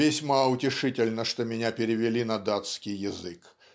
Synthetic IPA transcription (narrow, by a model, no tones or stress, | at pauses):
ɪsʲmaʊtʲɪʂɨtʲɪlʲnəʂt̪omʲɪnʲapʲɪɾʲɪvʲɪlʲinɐd̪at̪skʲɪjːɪzɨk